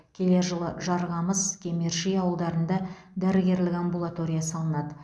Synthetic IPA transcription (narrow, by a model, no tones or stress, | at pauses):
kʲʰe̞le̞ʒəlˠəʒɑɾʁɑməzkʲʰe̞meɾʃijɑwəlˠd̪ɑɾənd̪ɑ | d̪æɾɪɡʲe̞ɾlɪkʲambulˠat̪o̞ɾʲijɑsɑlˠənɑd̪ə